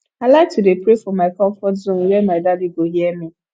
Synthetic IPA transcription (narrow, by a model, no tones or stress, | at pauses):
alak̚tʰudepɾefɔmaɪkɔ̃ɱfɔtzõn̩wɛmaɪdadiɡoɦjɛmi